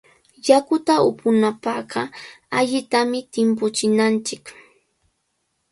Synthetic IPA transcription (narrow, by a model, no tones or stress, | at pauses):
jakʊt̪aʊ̰pʊnapɑɢɑaʎɪt̪amɪt̪ɪmp̬ʊt͡ʃɪnant͡ʃɪk